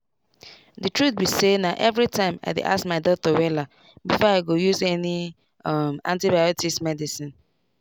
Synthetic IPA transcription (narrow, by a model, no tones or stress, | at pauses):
ditɹut̚bisenaʔɛvɹitʰãɪ̃ma̰ɪdḛʔa̰skmaɪdɔtɔwɛla | bifɔaɪɡojuzɛni | mã̰ntibajɔtismɛdisĩn